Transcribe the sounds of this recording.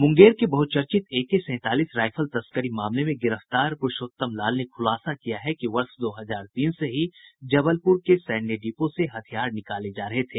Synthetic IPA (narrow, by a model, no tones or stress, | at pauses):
mʊ̃ŋɡeːɾkebɐɦʊt̪̚t͡ʃɐɾt͡ʃɪt̪eːkːesɛ̃ːt̪aːliːsɾaːɪfʰəlt̪ɐskəɾimaːmlemẽɡɪɾəft̪aːɾpʊʃoːt̪ːəmlaːlnekʰʊlaːsakijaɦɛkiʋɐɾsd̪oːɦɐzaːɾt̪iːnseɦid͡ʒɐbəlpʊɾkesɛːɳɖeɖiːposeɦɐt̪ʰijaːɾnɪkaːled͡ʒaːɾɐɦet̪ʰeː